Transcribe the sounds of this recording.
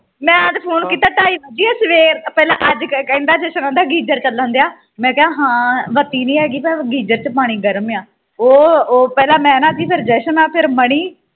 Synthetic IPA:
mɛ̃ːãːt̪eːpʰoːnkiːt̪aːʈaːiːməd͡ʒiːaːsʋeːɾt̪apɛːlã̰ːʔəd͡ʒkkə̃nd̪aːd͡ʒɛːʃənãːd̪aːɡiːd͡ʒəɾt͡ʃəlːãːnd̪ejaː | mɛ̃ːkeãːɦãːʋət̪iːnĩːɦɛːɡiːmɛ̃ːɡiːd͡ʒəɾt͡ʃəpaːɽ̃iːɡəɾmjãː | oːpɛːlãːmɛ̃ːnãːd̪iːpʰɪɾd͡ʒɛːʃənãːpʰɪɾməɽ̃iː

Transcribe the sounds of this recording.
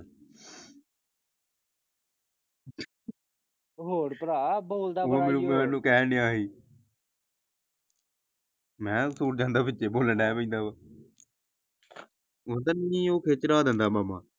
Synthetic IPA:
ɦoːɽpəɾaːboːld̪aːoːmɪũːmːmɛ̃ːnũːkɛːnɪːaːɦiː | mɛ̃ːsuːʈd͡ʒãːnd̪aːbɪtːeːboːləɳɖɛːpə̃ĩːnd̪aːbaː | ʊd̪aːnĩːoːkʰeːt͡ʃɾaːd̪ə̃nd̪aːmaːmaː

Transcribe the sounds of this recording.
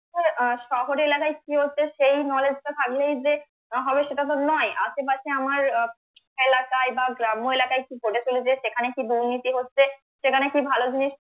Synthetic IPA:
eʃɔɦoɾelakajkiɦotːɕʰeʃejnɔled͡ʑʈat̪ʰaklejd͡ʑe | ɦɔbeʃeʈat̪̬onɔeʔat͡ʃep̬aʃʰeamaɾ | elakaebaɡɾamoelakajkipoʈet͡ɕʰuled͡ʑeʃekʰanekid̪unːit̪iɦotːɕʰe | ʃekʰanekibʱalod͡ʑiniʃ

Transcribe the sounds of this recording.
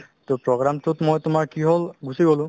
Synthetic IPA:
tʊpɹɔɡɹamtʊtmɔjtʊmaɹkiɦolɡusiɡolʊ̃

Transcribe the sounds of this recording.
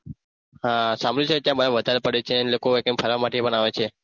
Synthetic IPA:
ɦãsambɭit͡ʃʰeet̪jãbəɾeʋəd̪ʱaɾepəɽet͡ʃʰenlokoek̪̚ə̃mpʰəɾʋamaʈepəɳaʋet͡ʃʰe

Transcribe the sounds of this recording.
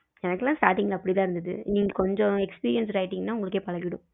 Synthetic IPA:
ɛnɐkːɯlãːsʈaːʈɪŋɡɐlɐpːɐɽit̪ãːɪɾɯnd̪ɐðɯ̰niːŋɡɐkɔɲd͡ʒɔ̃ɛkspiːɾɪjɐns̬ɾɐɪʈːɪŋɡɐnaːʊŋɡɐɭɯkːeːpɐlɐɡɪɽʊ̃

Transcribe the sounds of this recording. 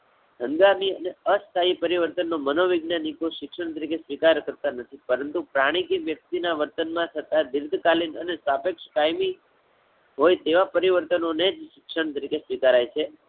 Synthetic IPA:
ɦə̃nd̪amiəneəst̪ʰaipəɾiʋəɾt̪ənːomənoʋɪɡnanikoʃɪkʃəɳt̪əɾikesʋikaɾkəɾt̪anət̪ʰipəɾənt̪upɾaɽ̃ikiʋjək̚t̪inaʋəɾt̪ənmãt̪ʰət̪ad̪iɾd̪ʱkalinənesapekʃə̥kajmi | ɦojt̪eʋapəɾiʋəɾt̪ənoned͡ʒʃɪkʂəɳt̪əɾikesʋikaɾajt͡ʃʰe

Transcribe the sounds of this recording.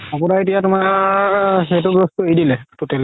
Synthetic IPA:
ɔpʊnaetijatʊmaɹ | xet̬ʊbɹostuejdilɛtutɛl

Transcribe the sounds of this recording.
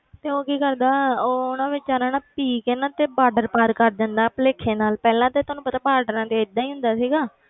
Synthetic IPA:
t̪eːoːkiːkəɾd̪aːʊnãːʋɪt͡ʃaɾaːnaːpiːkeːnaːt̪eːbaːɖəɾpaːɾkəɾd͡ʒ̪ãnd̪aːpəleːkʰːeːnaːlpɛːlãːt̪eːt̪ʊːnũːpət̪aːbaːɖəɾãːt̪eːɪd̪ːãːiːɦʊ̃nd̪aːsiːɡaː

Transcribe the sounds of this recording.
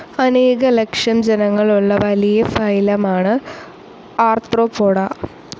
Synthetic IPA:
ɐne̞ːɣɐlekʂjɐmd͡ʑenɐŋːɐɭuɭːɐʋɐlijɐfɐjlɐmaːɳɨ | aːrt̪roːpoːɽɐ

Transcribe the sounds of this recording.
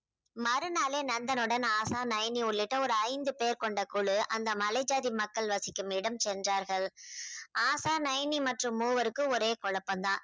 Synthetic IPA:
mɐɾɯnaːleːnɐnd̪ɐnɯɽɐnaːsaːnɐjniʊɭːɪʈːɐɔɾɯɐɪnd̪ɯpeːɾkɔɳɖɐkuɭɯʔɐnd̪ɐmɐlɐɪd͡ʒaːðimɐkːɐɭʋɐsɪkːɯmɪɽɐmt͡ʃɛndraːɾɣɐɭ | aːsaːnɐjnimɐʈrɯmːuːʋɐɾɯkːɯɔɾeːkɔɭɐpːɐnd̪ãː

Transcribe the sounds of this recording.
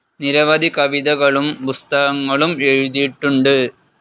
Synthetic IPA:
niɾɐʋɐd̪ʱikɐʋiðɐɣɐɭumpust̪ɐɣɐŋːɐɭumeɻuðiʈːuɳɖɨ

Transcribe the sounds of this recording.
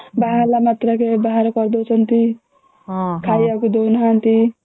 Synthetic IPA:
baɦaɾlamat̪ɾʌkebaɦaɾkʌɾd̪ot͡sʰʌnt̪i | kʰajakud̪ownɦant̪i

